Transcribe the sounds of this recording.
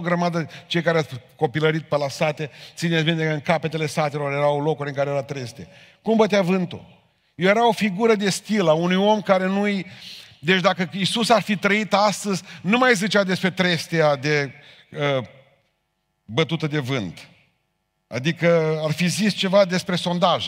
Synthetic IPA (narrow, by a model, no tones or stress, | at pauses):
ɡɾəmad̪ət͡ʃe̞jkaɾeako̞piləɾit̪̚pelasat̪e̞t̪sinesbint̪ekəɨŋkape̞t̪e̞le̞sat̪e̞lo̞ɾje̞ɾawlo̞kuɾʲɨŋkaɾejeɾat̪ɾe̞st̪e | kumbət̪eavɨnt̪ṵ | jejeɾao̞fiɡuɾəd̪e̞st̪ilaunujo̞mkaɾe̞nujd̪e̞t͡ʃʲd̪akəisusarfit̪ɾəit̪ast̪əzʲnumajzit͡ʃead̪e̞spɾe̞t̪ɾe̞st̪ead̪e̞ | ə | bət̪ut̪əd̪e̞vɨnt̪ | a̰d̪ikəarfizist͡ʃe̞vad̪e̞spɾe̞so̞nd̪aʒ